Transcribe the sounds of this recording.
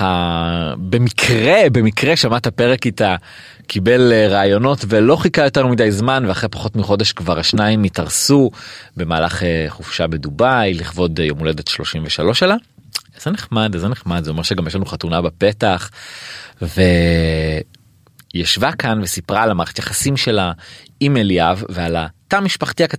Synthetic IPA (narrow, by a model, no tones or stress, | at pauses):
a | bemikʰʁe̞be̞mikʁeʃamatape̞ʁekita | kʰibelʁaːjo̞no̞tvelo̞χikajo̞te̞ʁmidajzmanveaχʁepaχo̞tmiχo̞de̞ʃkvaʁaʃnaimːitaʁsube̞maːlaχeχufʃabe̞dubajliχvo̞djomule̞detʃlo̞ʃimveʃalo̞ʃelaz̥eneχmadzeneχmad̪zeo̞meʃeɡamjeʃlanuχatunabape̞taχ | ve | jaʃvakanvesipʁalamaːletjaχasimʃe̞la | imelijavealatamiʃpaχtiakat